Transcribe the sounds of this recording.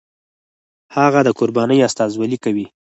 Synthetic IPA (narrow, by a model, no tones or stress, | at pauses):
haɣad̪əkʊɾbɑnəjast̪ɑzwalikawi